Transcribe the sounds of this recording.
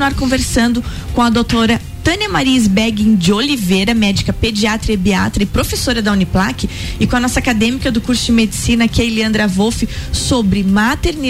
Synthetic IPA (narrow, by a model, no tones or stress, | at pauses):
aɾkõveɾsɐ̃nd̪ʊkõɐd̪owt̪oɾɐ | t̪ɐ̃nemaɾizbɛɡẽd͡ʒɪolivejɾɐmɛd͡ʒikɐped͡ʒiat̪ɾɐɪbia̰t̪ɾɐɪpɾofesoɾɐd̪ɐũniplakɪ | ɪkõɐnɔsɐakad̪ẽmikɐd̪ʊkuɾsʊd͡ʒɪmed͡ʒisinɐkejleɐ̃nd̪ɾavofɪsobɾɪmat̪eɾni